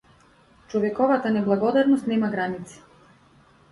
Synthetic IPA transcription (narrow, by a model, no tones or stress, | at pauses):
t͡ʃɔvɛkɔvat̪anɛblˠaɡɔd̪aɾnɔst̪nɛmaɡɾanit̪si̥